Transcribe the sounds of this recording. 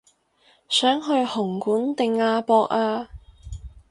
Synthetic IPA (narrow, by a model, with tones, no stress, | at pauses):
sœː˨˥ŋɦɵ˧ɥhʊ˨˩ŋkuː˨˥nt̪ɪ˨ŋːaː˧pɔː˧k̚aː˧